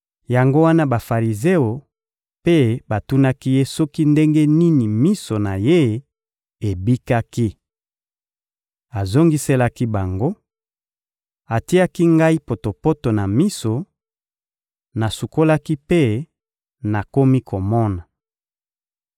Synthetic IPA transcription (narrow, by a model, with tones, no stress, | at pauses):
ja˨ŋɡo˦wa˦na˦ba˨fa˨ʁi˨ze˦o˨ | pe˦ba˨tu˦na˦ki˦je˦sɔ˦ki˦nde˦ŋɡe˦ni˦ni˨mi˦so˨na˨je˦ | e˨bi˦ka˦ki˦ | a˨zo˦ŋɡi˦se˦la˦ki˦ba˨ŋɡo˦ | a˨ti˦a˦ki˦ŋɡa˦i˦po˨to˨po˦to˨na˨mi˦so˨ | na˨su˨ko˦la˦ki˦pe˦ | na˨ko˦mi˦ko˨mɔ˦na˨